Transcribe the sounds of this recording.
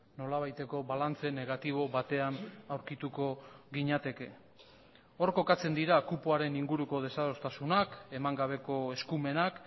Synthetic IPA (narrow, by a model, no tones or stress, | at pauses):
no̞laβajt̪e̞ko̞βalant͡se̞ne̞ɣ̞at̪iβ̞o̞βat̪e̞anawɾkit̪uko̞ɣiɲat̪e̞ke̞ | o̞ɾko̞kat͡se̞nd̪iɾakupuaɾe̞niŋɡuɾuko̞ð̞e̞saðo̞st̪asunake̞maŋɡaβ̞e̞ko̞e̞skume̞nak